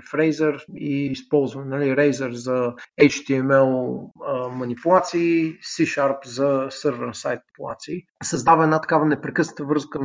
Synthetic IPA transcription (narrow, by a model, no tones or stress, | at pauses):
fɾɛjzəɾiːspɔlˠzvənɛnɐliɾɛjzəɾzɐɛt͡ʃt̪iɛmɛlˠəmɐnipulˠat̪siːsiʃaɾpzɐsəɾvəɾsajt̪̚ppulˠa̰t̪siːsɐzd̪avəɛnat̪ɐ̥kavənɛpɾɛkɤsnət̪əvɾɤskən